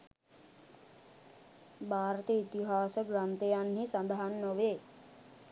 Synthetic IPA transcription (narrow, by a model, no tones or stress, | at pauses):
bʱaːɾət̪əit̪iɦaːsəɡɾant̪ejanɦisand̪əɦanːəʋe